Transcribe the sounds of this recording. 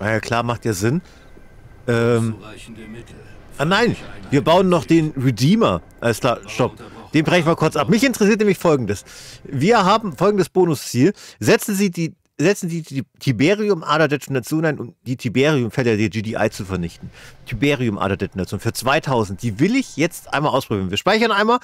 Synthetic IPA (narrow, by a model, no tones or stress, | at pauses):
ajaːkʰl̥aːmaχtjaːzɪn | ʔɛːm | ʔanaɪnviːɐbaʊənːɔχd̥eːnʁediːmɐʔaləsklaːʃtɔp̚d̥eːmb̥ʁɛçn̩vɐkʰʊɐt͡sʔapmɪçɪntəʁɛs̬iːɐt̬nɛmlɪçfɔlɡŋ̩dəsviːɐɦaːbm̩fɔlɡŋ̩dəsb̥oːnʊst͡siːlzɛt͡sn̩ziːdiː | zɛt͡sn̩diːtʰybeːʁiʊmʔa̰ːɾɐdɛsinat͡sjoːnaɪnʔʊ̰md̥iːtʰybeːʁiʊmfɛlədeːɐd͡ʒiːdiːʔa̰ɪt͡sufɛɐnɪçtn̩tʰybeːʁiʊmʔa̰ːɾɐdɛstinat͡sjoːnfyːɐt͡sv̥aɪtʰaʊzn̩t̚d̥iːvɪlɪçjɛt͡stʔa̰ɪnmalʔaʊspʁ̥ʊbiːʁnviːɐʃpaɪçɐnʔaɪnmaːl